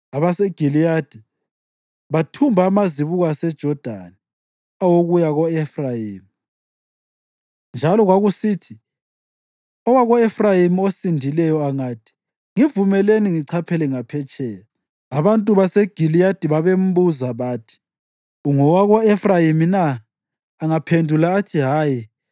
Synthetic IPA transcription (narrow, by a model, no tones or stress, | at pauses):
aβaseɡ̥ʱilijad̥ʱi | βatʰumbʱaːmaziβuɣasɛd̥ʒ̥ʱɔd̥ʱa̰ni | awoɣujaɣɔefrajiːmi | nd͡ʒʱalɔɣwaɣusiːtʰi | ɔwaɣɔefrajimiosindʱilɛjɔaŋaːtʰʼi̥ | ŋivumɛleniŋiǀʰapʰɛlɛŋapʰɛt͡ʃʼɛːjla | aβantʼuβaseɡ̥ʱilijatʼiβaβem̩buzaβaːtʰi̥ | uŋɔwaɣɔefrajiminaː | ŋapʰendʱulaːtʰiɦaːji